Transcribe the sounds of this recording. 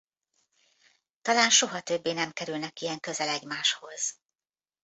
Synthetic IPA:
t̪ɒlaːnʃo̞ɦɒt̪ø̞bːeːnɛmkɛɾylnɛkijɛŋkø̞zɛlɛɟmaːʃho̞z̥

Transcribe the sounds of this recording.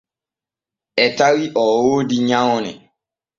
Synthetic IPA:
ɛtawiʔɔwodiɲãʊnɪ̰̃

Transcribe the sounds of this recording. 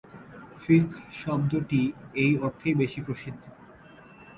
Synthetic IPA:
fift̪ʰʃɔb̚d̪oʈiejɔɾt̪ʰejbeʃipɾoʃid̪ʱːo

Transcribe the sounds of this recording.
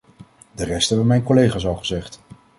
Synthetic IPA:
dərɛstɛbəʋəmɛjnkolejχaːs̬ɑlˠχəzɛχt

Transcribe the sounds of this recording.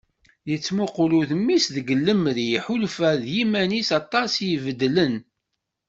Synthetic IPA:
jət͡sːmoqluθəmːisðəɡəlːəmɾiħulfæðjimænisɑt̪ˤːɑsjəvəd̪ːlən

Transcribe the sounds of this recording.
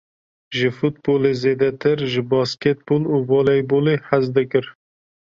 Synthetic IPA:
ʒɪfut̪̚boːlezeːd̪ɛt̪ʰɨɾʒɪbɑːskɛt̪̚boːluːbɑːlɛjboːleːħazd̪ɨkɨɾ

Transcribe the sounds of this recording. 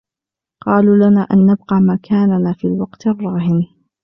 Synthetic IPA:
qɑːluːlanaːʔanːab̚qɑːmakʰaːnanaːfiːlwɑqt̪rˤːɑːhɪn

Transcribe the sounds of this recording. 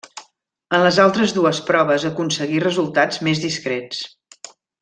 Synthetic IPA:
ənləzalˠt̪ɾəzðuəspɾɔβ̞əzəkunsəɣirəzulˠt̪ad͡zmezðiskɾɛt͡s

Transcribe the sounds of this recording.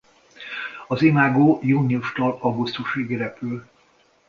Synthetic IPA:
ɒzemaːɡoːjuːniuʃt̪ɒlɒɡust̪uʃeːɡiɾɛpyl

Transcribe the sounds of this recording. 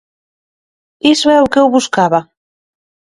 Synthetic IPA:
isɛukɛwβuskaβa

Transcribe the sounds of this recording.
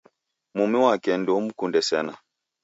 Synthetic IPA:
mumiwakɛndɔm̩kundɛsɛna

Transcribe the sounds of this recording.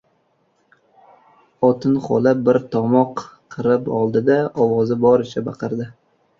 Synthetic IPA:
ɒt̪ʰɪnχɒ̰lˠap̚bɪɾt̪ʰɒmɒqqʰːɨɾɪpɒlˠd̪ɪd̪aɒwɒzɪbɒɾɪt͡ʃʰabɑqʰɨɾd̪ɪ

